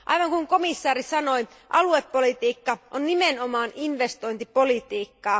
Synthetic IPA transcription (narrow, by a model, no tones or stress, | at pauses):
ʔɑ̰jʋɑŋkuŋko̞misːɑːɾisɑno̞j | ʔɑ̰luepːolit̪iːkːɑʔonnimenomɑːninʋest̪o̞jnt̪ipo̞lit̪iːkːɑː